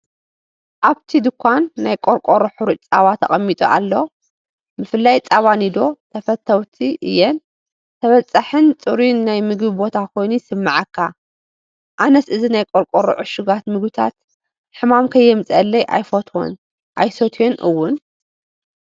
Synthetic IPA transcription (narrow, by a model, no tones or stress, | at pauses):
ʔaβt̪ʰid̪ɨkʰʷːanːajkʼoɾkʼoɾoħuɾut͡sʼaβat̪ʰːɐ̰χʼɐmːit̪ʼṵʔa̰lːo̞ | bɨfɨlːajt͡sʼaβanid̪o̞t̪ʰɐfɐt̪ʰːɐwt̪ʰiʔɨ̰jːɛn | t̪ʰɐβɐt͡sʼːaħɨnt͡sʼɨɾinːajmɨɡbibo̞t̪ʰakʰo̞jnusɨmːɨʕakʰːa | ʔanɐsɨzinajkʼoɾkʼoɾo̰ʕʊʃuɡat̪mɨɡbɨt̪ʰa̰t̪ | ħɨmamkʰɐjːɛmɨt͡sʼɐlːɐjʔa̰jfot̪ʰo̰n | ʔajsot̪ʰjonʔɨwːʊn